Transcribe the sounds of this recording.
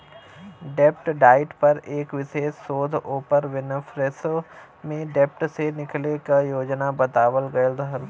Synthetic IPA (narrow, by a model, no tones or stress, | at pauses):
ɖɛp̚ʈɖaːɪʈpɐɾeːkʋɪseːsoːd̪ʱoːpəɾʋɪnəfɾeso | mẽɖɛp̚ʈsenɪklekajoːd͡ʒnabɐt̪aːʋəlɡɐəld̪əɦəl